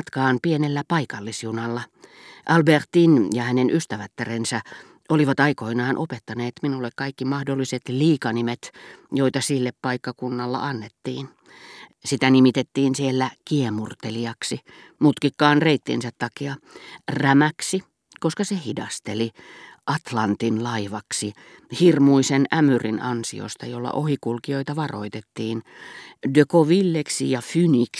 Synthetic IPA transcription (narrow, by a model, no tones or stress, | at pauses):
t̪kɑːnpienelːæpɑikɑlːisjunɑlːɑ | ʔɑlbert̪injɑhænenʔyst̪æʋæt̪ːærensæ | oliʋɑt̪ɑikoinɑːnʔopet̪ːɑneːt̪minulːekkɑikːimɑhdolːiset̪liːkɑnimet̪joit̪ɑsilːeppɑikːɑkunːɑlːɑ̰ʔɑnːet̪ːiːn | sit̪ænimit̪et̪ːiːnsielːækiemurt̪eliɑksi | mut̪kikːɑːnreit̪ːḭnsæt̪t̪ɑkiɑræmæksi | koskɑsehidɑst̪eliʔɑt̪lɑnt̪inlɑiʋɑksi | hirmuisenæmyrinɑnsḭo̰st̪ɑjolːɑ̰ʔohikulkioit̪ɑʋɑro̰it̪et̪ːiːndøkoʋilːeksijɑfynik